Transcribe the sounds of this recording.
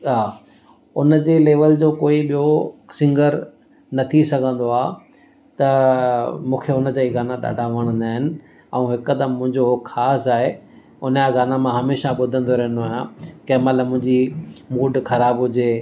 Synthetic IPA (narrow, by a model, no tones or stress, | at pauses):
ɦaː | ʊnəd͡ʑeːleːʋəld͡ʑoːkoːiɓijosɪ̃ŋɡəɾ | nɐt̪ʰisɐɡʱə̃nd̪oaː | t̪ɐ | mũːkʰeʊnəd͡ʑaːiɡaːnaɗa̰ːɖʱaʋɐɽ̃ə̃nd̪aːɦɪnɪ̆ | ɛ̃ũɦɪkd̪əmːʊ̃ɦɪ̃ɲd͡ʑoɦkxʰaːsaːɦe | ʊnjaɡaːnamãɦɐmeːʃaɓʊd̪ʱə̃nd̪oɾɐɦə̃n̆d̪oaːɦijãkɐɦmɐt̪ləbmːʊ̃ɦɪ̃ɲd͡ʑimuːɖxɐɾaːbɦʊd͡ʑeː